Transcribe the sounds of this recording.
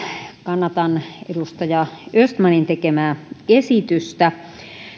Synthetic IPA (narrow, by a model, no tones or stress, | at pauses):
kɑnːɑt̪ɑnedust̪ɑjɑøst̪mɑnint̪ekemæːesit̪yst̪æ